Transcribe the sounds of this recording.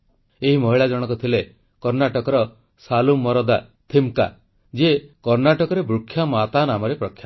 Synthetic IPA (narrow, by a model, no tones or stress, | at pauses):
eɦimɔɦiɭad͡ʒɔɽ̃ɔkɔt̪ʰile | kɔɾnaʈɔkɔɾɔ | salumːɔɾɔd̪at̪ʰimka̰ | d͡ʒekɔɾnaʈɔkɔɾebɾukʰːjamat̪anamɔɾepɾɔkʰːja